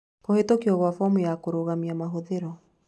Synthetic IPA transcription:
kohetokiɔɣwafɔmujakoɾoɣamiamaɦoðeɾɔ

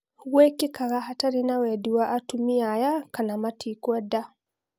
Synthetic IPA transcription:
ɣwekikaɣaɦataɾinawɛdiwaʔːtumiajakanamatʰikwɛda

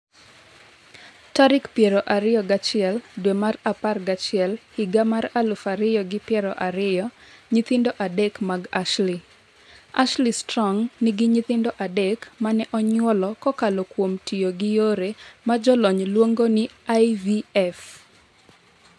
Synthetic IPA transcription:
taɾɪkpjeɾɔʔaɾɪjɔɡat͡ʃɪɛldwemaraparɡat͡ʃɪɛlhiɡamaɾalʊfaɾɪjɔɡɪpjɛɾɔʔaɾɪjɔɲit̪ɪndoʔadɛkmaɡaʃli | a̰ʃlistɾɔŋnɪɡɪɲit̪ɪndɔʔadɛkmanɛʔɔɲwɔlɔkɔkalokwomtʰijoɡɪjoɾemad͡ʒɔlɔɲlwoŋɡonɪajviɛf

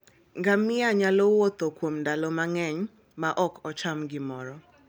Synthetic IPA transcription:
ŋɡamɪaɲalɔwot̪okwomndalɔmaŋɛɲ | maʔɔkʰɔt͡ʃamɡɪmɔɾɔ

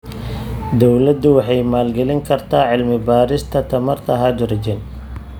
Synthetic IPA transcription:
d̪ɔwlɐd̪ʊwɑħɑjmaːlɡɛlɪŋkʰɐrt̪ʰaːʕɪlmɪbaːɾɪst̪ʰɐt̪ʰɐmɐrt̪ʰɐɦad̪ʊɾɐd͡ʒɛn

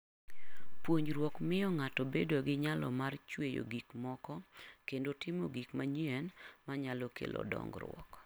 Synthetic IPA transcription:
pwoɲɾwɔkmɪjɔŋatɔbedoɡɪɲalɔ̰mart͡ʃwejo̰ɡikmɔkɔkendotʰɪmoɡikmaɲiɛnmaɲalɔkʰḛlʔɔ̰dɔ̰ŋɡɾwɔ̰k

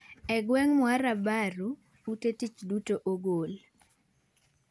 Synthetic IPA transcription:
ɛɡwɛŋmwaɾabaɾu | utetit͡ʃdutoʔoɡol

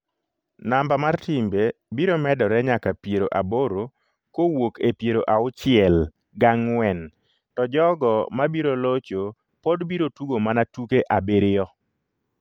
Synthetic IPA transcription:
nambamartɪmbebiɾomɛdɔɾɛɲakapjeɾoʔaboɾo | kowokepjeɾoʔaʊt͡ʃɪɛl | ɡaŋwɛn | tɔd͡ʒɔɡɔmabiɾolot͡ʃo | podbiɾotuɡomanatukeʔabeɾɪɔ

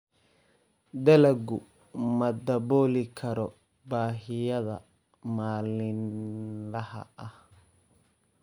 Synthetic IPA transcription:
d̪ɐlɐɡʊ | mɐd̪ɐβɔːlɪkʰɐɾɔ | baːɦɪjɐðɐ̰ | maːlɪnlɐhɐ̰ʔɐh

